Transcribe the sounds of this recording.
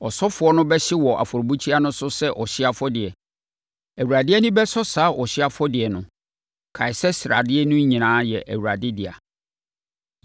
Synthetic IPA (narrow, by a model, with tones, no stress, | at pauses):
ɔ˨sɔ˦fʊ˨ɔ˦nʊ̃˦bɛ˦ɕɪ˦wɔ˨ʔa̰˨fɔ˨ɾbu˦t͡ɕʰi˦a˦nʊ̃˦sʊ˦sɛ˦ʔɔ˨ɕɪ˦a˦fɔ˦dɪ˨ɛ˨ | æ˨wu˨ɾa˨dɪ˦ɛ˦nʊ̃˦bɛ˦sɔ˦saː˨˦ʔɔ˨ɕɪ˦a˦fɔ˦dɪ˨ɛ˨nʊ̃˨ | kʰa˨ɪ˨sɛ˦sɪ˨ɾa̰˨dɪ˦ɛ˦nʊ̃˦ɲĩ˨nãː˨˦jɛ˨ʔæ̰˨wu˨ɾa˨dɪ˦dɪ˨a̰˨